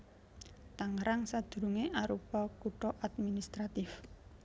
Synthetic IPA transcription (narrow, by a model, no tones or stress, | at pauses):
t̪aŋɾaŋsadd̪̥ɾuŋeʔaɾupɔkuʈɔʔad̪̚minist̪ɾat̪ɪf